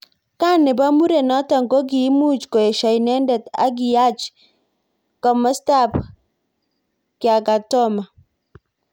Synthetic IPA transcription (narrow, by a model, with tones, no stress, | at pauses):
ka˦nɪ˨ba˦mu˦ɾe˨nɔ˦ta˨ŋɡo˦ɡɪ˨˦mu˦t͡ʃko˨e˨ʃa˨jnɛ˦ndɛ˨ta̰˦ɡɪ˨ja˦t͡ʃ | kɔ˨mɔ˦sta˦˨p | kɪ˨a˨ɡa˨tɔ˦ma˨